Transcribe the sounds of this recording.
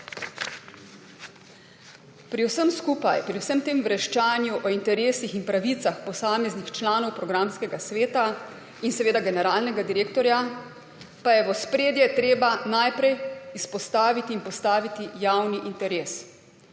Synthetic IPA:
pɾiwsəmskuːpajpɾiwsəmt̪eːmʋɾɛʃt͡ʃaːnjuʔɔint̪ɛɾeːsixinpɾaʋit̪saxpɔsaːmɛznixt͡ʃlaːnɔwpɾɔɡɾamskɛɡasʋeːt̪a | insɛʋeːd̪aɡɛnɛɾaːlnɛɡad̪iɾeːkt̪ɔɾja | pajɛʋɔspɾeːd̪jɛt̪ɾeːbanajpɾɛjispɔst̪aːʋit̪iːnpɔst̪aːʋit̪ijawniʔint̪ɛɾeːs

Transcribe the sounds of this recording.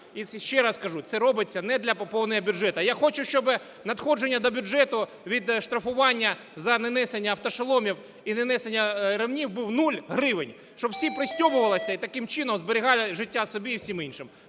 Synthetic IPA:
isɛʃt͡ʃːɛɾaskɐʐutsɛɾɔbɪt͡sʲːɐnɛd̪lʲɐpɐpɔwnɐɦɐbʲʊʐɛt̪ɐjaxɔt͡ʃʊʃt͡ʃɔbɪ | nɐt̪xɔd͡ʒenʲːɐd̪ɔbʲʊʐɛt̪ʊ | ʋʲid̪ʂt̪ɾɐfʊʋɑnʲːɐ | zɐnɐnɛsenʲːɐːwt̪ɔʂɐlˠɔmʲiw | inenɛsenʲːɐɾɪʋnʲiwbuwnulʲɦɾɪʋɪnʲ | ʃt͡ʃɔbwsʲipɾɪsʲtʲɔmʊʋɐlˠɪsʲɐit̪ɐkɪmt͡ʃɪnɔmzbɪɾʲɪɦɑlʲˠɪʒɪtʲːasɔbʲiːwsʲiminʃɪm

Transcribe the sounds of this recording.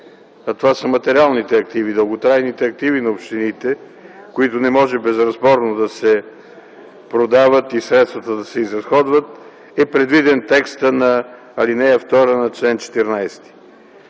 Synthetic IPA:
ɐt̪ovasəmɐt̪ɛɾʲialˠnit̪ɛɐk̚t̪ivid̪əlˠɡot̪ɾajnit̪ɛɐk̚t̪ivinɐopʃt̪init̪ɛ | koit̪ʊnɛmɔʒɛbɛzɾɐzbɔɾnod̪ɐsɛ | pɾod̪avət̪isɾɛt̪st̪vɐt̪əd̪ɐsɛizɾɐsxɔd̪vət̪̚ | ɛpɾɛd̪vid̪ɛnt̪ɛkst̪ənɐː | linɛəft̪ɔɾənɐt͡ʃlɛnt͡ʃɛ̥t̪ɛɾnajst̪i̥

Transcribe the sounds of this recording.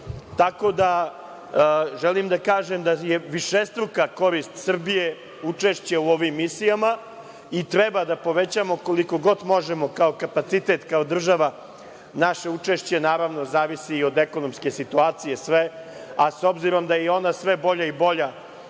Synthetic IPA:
t̪ako̞d̪a | ʒelimd̪akaːʒemd̪ajeʋiʃest̪ɾukako̞ɾist̪sr̩bije̞ | ut͡ʂeʃt͡ɕeuo̞ʋimːisijama | it̪ɾebad̪apo̞ʋet͡ɕamo̞ko̞liko̞ɡo̞d̪mo̞ʒemo̞kao̞kapat̪sit̪et̪kao̞d̪r̩ʒaʋa | naʃeut͡ʂeʃt͡ɕe̞naːɾaʋno̞zaːʋisiːo̞d̪eko̞nomske̞sit̪uaːt̪sije̞sʋe̞ | aso̞bziɾo̞md̪ajɛo̞nasʋe̞bo̞ʎaibo̞ʎa

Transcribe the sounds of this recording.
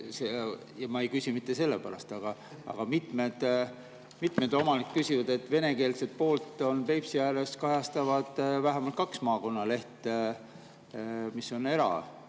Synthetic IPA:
se | jɑmɑejkysimit̪ːe̞se̞lːepæɾɑst̪ɑɡ̥ɑ | ɑ̰ɡ̥ɑmit̪ˑme̞d̪̥ | mit̪ˑme̞d̪o̞mɑnikːkysʲivɑd̪e̞t̪ːˑve̞ne̞ke̞ːlse̞t̪̚po̞ːlt̪ːˑo̞npe̞jpsiæleskɑjɑst̪ɑvɑd̪̥væɦemɑlt̪kɑksmɑːko̞nːɑle̞ht̪ | misːo̞ne̞ɾɑ̰

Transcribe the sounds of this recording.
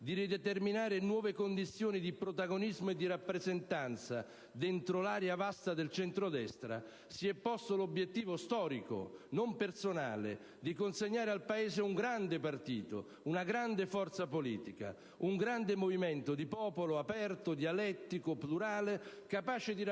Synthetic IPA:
d̪iɾid̪et̪erminaːɾɪnwɔːvekond̪it̪sːjoːnid̪ipɾot̪aɡonizmoed̪ːiɾapːɾezent̪ant̪sa | d̪ɛnt̪ɾolaːɾjavast̪ad̪elt͡ʃɛnt̪ɾod̪ɛst̪ɾa̰ | siɛpːɔst̪olobjet̪ːiːvost̪ɔːɾiko̰nompersona̰ːlḛ | d̪ikonseɲːaːɾealpaeːzeuŋɡɾand̪epart̪iːt̪o̰ | unaɡɾand̪efɔrt̪sapolḭːt̪ika̰ | uŋɡɾand̪emovimɛnt̪od̪ipɔːpoloapɛrt̪od̪ialɛt̪ːikopluɾaːlekapaːt͡ʃɪd̪i

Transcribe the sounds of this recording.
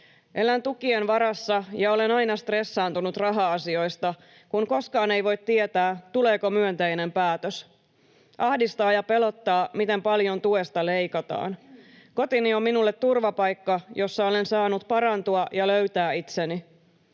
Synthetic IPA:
ʔe̞lænt̪ukienʋɑɾɑsːɑjɑo̞le̞nɑjnɑst̪re̞sːɑːnt̪unut̪rɑɦɑɑsio̞jst̪ɑ | kunko̞skɑːnejʋo̞jt̪t̪ːiet̪æːt̪ule̞ːkomyønt̪e̞jne̞mpæːt̪øs | ʔɑhdist̪ɑːjɑpe̞lo̞t̪ːɑːmit̪e̞mpɑljo̞nt̪ue̞st̪ɑle̞jkɑt̪ɑ̰ːnko̞t̪inio̞mːinulːet̪ːurʋɑpɑjkːɑjo̞sːɑo̞le̞nsɑːnut̪̚pɑɾɑnt̪uɑjɑløɥt̪æːit̪seni

